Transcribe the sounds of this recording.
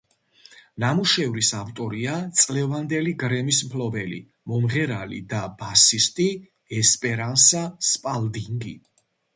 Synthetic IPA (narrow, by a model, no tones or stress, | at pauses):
namuʃɛvɾisavt̪ʼɔɾiat̪sʼlɛvand̪ɛliɡɾɛmismpʰlɔbɛlḭ | mɔmʁɛɾalḭd̪abasist̪ʼi | ɛspʼɛɾansaspʼald̪iŋɡḭ